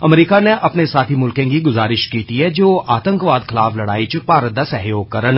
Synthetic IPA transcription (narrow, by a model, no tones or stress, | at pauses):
ɐmɾiːkaneʔɐpnesaːt̪ʰimʊlkẽkiɡʊzaːɾɪʃkiːt̪iɦɛd͡ʒoːʔaːt̪ə̃ŋkʋaːd̪xɪlaːflɐɽaːit͡ʃpaːɾəd̪asɐɦjoːɡ̚kɐɾən